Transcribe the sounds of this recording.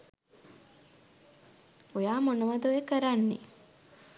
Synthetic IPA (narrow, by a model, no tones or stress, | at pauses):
ojaːmonuʋɐd̪ojekəɾanːḭ